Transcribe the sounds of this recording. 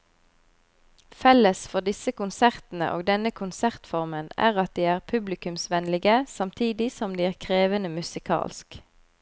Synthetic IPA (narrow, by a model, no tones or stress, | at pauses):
fɛləsfɔʁd̪ɪsəkʊnsæʁt̪n̩ə̰ʔoːɡd̪ɛnəkʰʊnsæʁt̪fɔʁmənæ̰ːʁɑt̪̚d̪iːæːʁpʰʉblɪkʉmsʋɛnlɪɡəsɑmt̪ʰiːd̪ɪsɔmd̪iːæːʁkʰʁeːʋənəmʉsɪkʰɑ̰ːlsk